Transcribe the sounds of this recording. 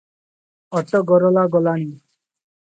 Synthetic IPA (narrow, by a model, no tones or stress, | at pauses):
ɔt̪ɔɡɔɾɔlaɡɔlani